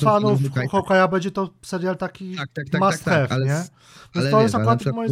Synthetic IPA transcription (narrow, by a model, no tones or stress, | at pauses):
fanufxɔwkajabɛɲd͡ʑɛt̪ɔsɛɾjalt̪akʲimast̪ɛfɲɛ | vʲɛ̃nt̪ɔjɛst̪akuɾat̪mɔje